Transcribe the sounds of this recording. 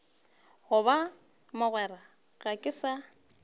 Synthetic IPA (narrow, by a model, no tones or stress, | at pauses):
ɣʊβa | mʊɣwɛra | ɣakʼɪsa